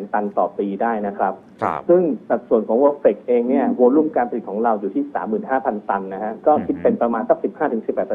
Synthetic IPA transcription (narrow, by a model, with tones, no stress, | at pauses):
nt̪a˧nt̪ɔ̰ː˨˩piː˧daː˥˩jna˦˥kʰɾa˦˥p̚ | sɯ˥˩ŋsa˨˩t̪̚su˨˩ənkʰɔː˨˦ŋwoː˧feː˨˩k̚ʔeː˧ŋni˥˩ɐwoː˧ɾlu˥˩əmkaː˧npʰli˨˩kʰɔː˩˦ɾa˧wjuː˨˩iː˥˩sa̰ː˩˦mːɯː˨˩nɦaː˥˩pʰa˧nt̪a˧nːa˦˥kʰa˦˥kɔː˥˩kʰi˦˥t̪̚pe˧npɾa˧maː˧nsa˦˥k̚si˨˩p̚haː˥˩ɯ˩˦ŋsi˨˩pːɛː˨˩t̪̚ʰ